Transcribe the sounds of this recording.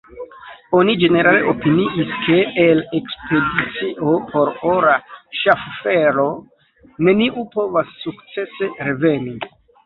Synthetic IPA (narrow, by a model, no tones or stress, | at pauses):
o̞nid͡ʒe̞ne̞ɾale̞̰ʔopiniʔiskʰe̞ːle̞kspe̞dit͡siʔo̞pʰo̞ɾoɾaʃaffe̞ɾo̞ | ne̞niʔupo̞vasːukt͡se̞se̞ɾe̞ve̞ni